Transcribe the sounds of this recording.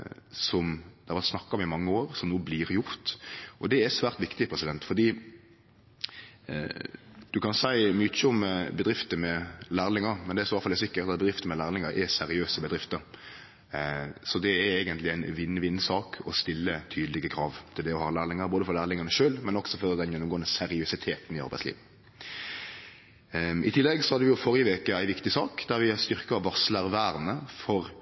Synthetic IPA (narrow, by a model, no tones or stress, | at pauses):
sɔmd̪ɛhɑʋɛɾt̪snɑkːɑɔmɪmɑŋːəoːɾsɔmnuːblɪɾjʊɾt̪ʔɔd̪ɛæsʋæːɾt̪ʋɪkt̪ɪpʰɾɛsɪd̪ɛnt̪fɔd̪iː | d̪ʉkɑnsæɪmyt͡ʃːəɔmbəd̪ɾɪft̪əmɛlæːɾlɪŋəɾmɛnd̪ɛɾsɔʋɑlfɑlːɛɾsɪkːəɾt̪ɑt̪̚bɛd̪ɾɪft̪əmɛlæːɾlɪŋəɾʔɛsɛɾɪøːsəbəd̪ɾɪft̪əɾ | sɔd̪ɛæɾɛːɡənt̪lɪæɪnʋɪnːʋɪnːsɑːkʰɔst̪ɪlːət̪ʰyːd̪lɪɡəkʰɾɑːʋt̪ʰɪld̪ɛɔhɑːlæːʁlɪŋəɾboːd̪əfɔlæːɾlɪŋɑnəʂøːlmɛnɔɡsɔfɔɾd̪ɛnjɛnːʊmɡoːənəsɛɾɪʉsɪt̪ʰeːt̪nɪɑ̰ɾbæɪtslḭːʋə | ʔɪ̰t̪ʰɪlːɛɡsɔhɑd̪əʋɪjʊfɔɾjəʋeːkəæɪʋɪkt̪ɪsɑːkd̪æɾʋɪst̪ʏʁkəʋɑsləʁʋæːɾnəfɔɾ